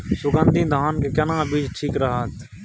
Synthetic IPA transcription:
sʊɡənd̪ʱĩd̪ʱaːnkekənãːbiːd͡ʒʈʰiːkɾəɦət̪

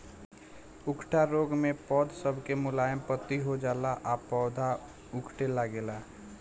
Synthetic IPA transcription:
ʊkʰʈaɾoːɡmẽpɔːd̪ʱsəbʱkemʊlaːjəmpət̪ːiɦod͡ʒaːlaʔapɔːd̪ʱa | ʊkʰʈelaɡeːlaː

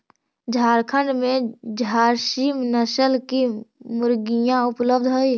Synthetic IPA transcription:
d͡ʒʱaːɾkʰəɳɖmẽd͡ʒʱaːɾʃiːmnəsəlkimʊɾɡijãʊpləb̚d̪ʱɦoi

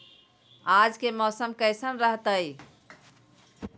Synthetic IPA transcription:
ad͡ʒkemɔsəmkəɪsənɾəɦt̪əj

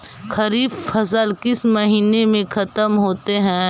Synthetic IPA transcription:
xʰɐɾiːbfɐsəlkɪsmɐɦiːnemẽxɐt̪əmɦoːt̪eɦɛ̃ː

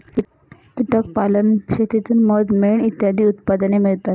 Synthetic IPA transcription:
kiʈək̚palənkʂet̪it̪uːnməd̪meɳit̪jad̪ʱiːut̪pad̪ənemiɭt̪at̪

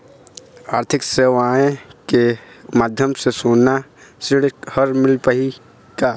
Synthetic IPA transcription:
aːɾt̪ʰɪkseːʋaːẽkemaːd̪ʱjəmsesoːnːasɪɽhəɾmɪlpəɦi | kaː

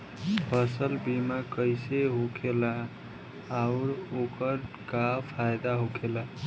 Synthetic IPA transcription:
bʱəsəlbimakəɪseɦokʰelaː | ʊɾokəɾ | kapʰajd̪aɦokʰela

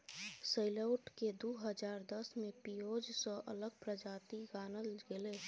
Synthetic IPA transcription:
səɪləʊʈked̪uɦəd͡ʒaːɾd̪əsmẽpijoːd͡ʒsɔ̃ʔələɡ̚pɾəd͡ʒaːt̪iɡaːnəlɡɪle

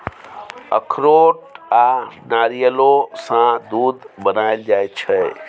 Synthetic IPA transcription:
ə̰kʰɾoʈanaːɾijəlosãd̪ud̪bənaeld͡ʒaːjt͡ʃʰɛ

